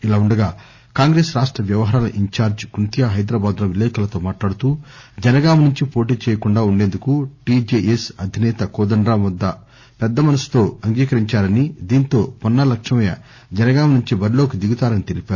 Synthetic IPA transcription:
ilaːuɳɖɐɡaː | kaːŋɡɾe̞ːsɾaːʂʈɾɐʋjɐʋɐɦɐːɾaːlɐʔiɲt͡ʃaːɾd͡ʒkunt̪ijɐɦɐjd̪ɾaːbaːd̪lɐʋilːɛːkɐlɐt̪o̞ːmaːʈlaːɽut̪uːd͡ʒɐnɐɡaːmnuɲt͡ʃipo̞ːʈ̬iːt͡ʃɛːjɐkuɳɖaːuɳɖe̞ːnd̪ukuʈid͡ʒeːʔesɐd̪ʱinɛːt̪ɐkoːd̪ɐɳɖɾaːmʋɐd̪ːɐ | pɛd̪ːɐmɐnɐsi̥t̪o̞ːɐŋɡiːkɐɾiɲt͡ʃaːɾɐnid̪iːnt̪o̞ːpɔnːɐlɐkʂɐmɐjɐ̰ | d͡ʒɛnɐɡaːmnuɲt͡ʃibɐɾilo̞ːkid̪iɡut̪aːɾɐnit̪elipaːɾu

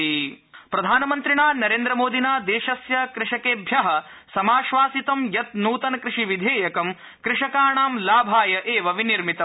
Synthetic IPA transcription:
ipɾɐd̪ʱaːnɐmɐnt̪ɾiɳaːnɐɾeːnd̪ɾɐmoːd̪ʱinaːd̪eːʃɐsjɐkɾɪʂɐkeːbʱjɐɦɐ̆ | sɐmaːʃʋaːsit̪ɐmjɐt̪̚nuːt̪ɐnɐkɾɪʂiʋid̪ʱeːjɐkɐm | kɾɪʂɐkaːɳaːmlaːbʱaːjɐʔeːʋɐʋiniɾmit̪ɐ

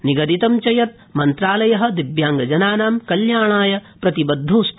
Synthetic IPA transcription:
niɡɐd̪it̪ɐmt͡ʃɐjɐt̪̚ | mɐnt̪ɾaːlɐjɐɦɐ̆d̪ibjaːŋɡɐd͡ʒɐnaːnaːmkɐljaːɳaːjɐpɾɐt̪ibɐd̪ʱːuːst̪

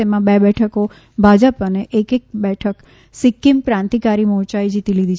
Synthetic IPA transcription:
emãbɛbɛʈʰəko | bʱad͡ʒəpəneʔekek̚bɛʈʰək | sɪkːimpɾãnt̪ikaɾimɔɾt͡ʃaid͡ʒit̪ilid̪ʱi

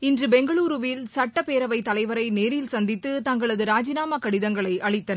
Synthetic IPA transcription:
ɪndrɯbɛŋɡɐɭuːɾɯʋɪlsɐʈːɐpeːɾɐʋɐɪt̪ːɐlɐɪʋɐɾɐɪneːɾɪlsɐnd̪ɪt̪ːɯt̪ɐŋɡɐɭɐðɯɾaːd͡ʒɪnaːmɐkɐɽɪðɐŋɡɐɭɐɪʔɐɭɪt̪ːɐnɐ

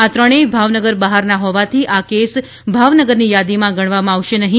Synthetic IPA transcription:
at̪ɾəɽ̃ebʱaʋnəɡəɾbaɦaɾnaɦɔʋat̪ʰiʔakes | bʱaʋnəɡəɾnijad̪imãɡəɽ̃ʋamãaʋʃenəɦĩ

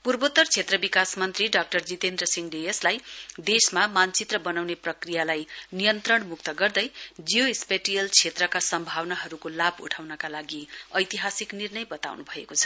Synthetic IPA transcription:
purbot̪ʌrt͡sʰet̪rʌbikasmʌnt̪riɖak̚ʈʌrd͡zit̪end̪rʌsiŋɖejʌslajd̪esmamant͡sit̪rʌbʌnawneprʌkrijalajnijʌnt̪rʌɳmukt̪ʌɡʌrd̪ʌjd͡zijoispeʈijʌlt͡sʰet̪rʌkasʌmbʱawnaɦʌɾukolabʱṵʈʰawnʌkalaɡiʌjt̪iɦasiknirnʌjbʌt̪a̰wnubʱʌekot͡sʰʌ̥

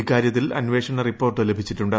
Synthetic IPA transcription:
kaːɾjɐt̪ːilɐ̰nʋe̞ːʂɐɳːɐripːo̞ːrʈːɨlebʱit͡ɕːiʈːuɳɖɨ

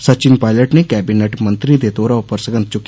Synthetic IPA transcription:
sət͡ʃɪnpaːɪləʈneːkɛːbineʈmə̃nt̪ɾiːd̪eːt̪oːɾaːʊpːəɾsəɡənt̪̚t͡ʃʊkː

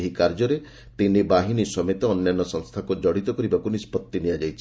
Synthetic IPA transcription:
ɦikaɾd͡ʒɔɾe | t̪inibaɦinisɔmet̪ɔːnjanːɔsɔŋst̪ʰakud͡ʒɔɽit̪ɔkɔɾibakunispɔt̪ːinijad͡ʒajt͡ʃʰi

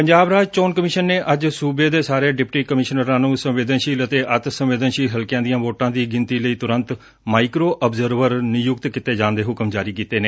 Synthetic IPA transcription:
pəɲd͡ʒaːbɾaːd͡ʒt͡ʃoːnkəmɪʃənːeːʔəd͡ʒsuːbeːd̪eːsaːɾeːɖɪpʈiːkəmɪʃnəɾãːnũːsə̃mʋeːd̪ənʃiːlət̪eːʔət̪sə̃mʋeːd̪ənʃiːɦəlkjãːd̪ɪjãːʋoːʈãːd̪iːɡɪnt̪iːləiːt̪ʊɾə̃nt̪ | maːikɾoːʔəbzəɾʋəɾnɪjʊk̚t̪kɪt̪eːd͡ʒãːnd̪eːɦʊkəmd͡ʒaːɾiːkiːt̪eːneː

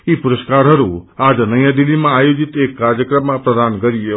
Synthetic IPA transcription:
ipʊɾəskaɾɦəɾũad͡ʒnəjãd̪ilːimãːjod͡ʒit̪ekːaɾjəkɾəmːãpɾəd̪ʱankəɾie

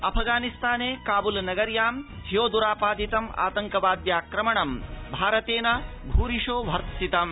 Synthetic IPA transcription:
ɐpʰɡaːnist̪ʰaːneːkaːbulnɐɡɐɾjaːmɦijoːd̪uɾaːpaːd̪it̪ɐma̰ːt̪ɐŋkɐʋaːd̪jaːkɾɐmɐɳɐmbʱaːɾɐt̪eːnɐ | bʱuːɾiʂoːʋʱɐɾt̪sit̪ɐm

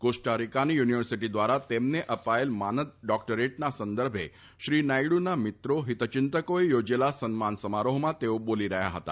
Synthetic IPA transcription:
koʂʈaɾikanijuniʋəɾsiʈid̪ʋaɾat̪emneʔəpaelmanət̪̚ɖɔkʈəɾeʈnasənd̪əɾbʱe | ʃɾinajɽunamit̪ɾoɦit̪t͡ʃint̪əkoejod͡ʒelasənmansəmaɾoɦmãt̪eoboliɾəɦja̰ɦət̪a̰

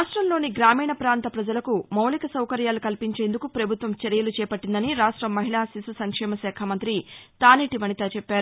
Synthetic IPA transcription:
ʂʈɾɐmlo̞ːniɡɾaːmiːɳɐpɾaːnt̪ɐpɾɐd͡ʒɐlɐkumɐwlikɐsɐwkɐɾjaːlukɐlpiɲt͡ʃe̞ːnd̪ukupɾɐbʱut̪ʋɐmt͡ʃɐɾijɐlut͡ʃɛːpɐʈːind̪ɐniɾaːʂʈɾɐmːɐɦiɭaːsisusɐŋkʂɛːmɐʃɛːkʰɐmɐnt̪ɾit̪aːniʈiʋɐnit̪aːt͡ʃepːaːɾu

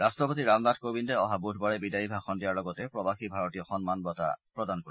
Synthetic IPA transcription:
ɾastɾɔpot̪iɾamd̪adʰʱkobindeɔɦabudʱbɔɭebidaibʱaxɔndijaɾlɔɡɔt̪epɾɔbaxibʱaɾɔt̪iɔxɔnmanbɔt̪a̰pɾɔd̪ankoɾi

